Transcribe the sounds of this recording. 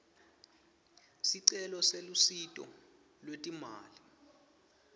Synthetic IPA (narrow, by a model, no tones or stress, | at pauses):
siǀɛlɔselusitʼɔ̰ | lwetʼimaːli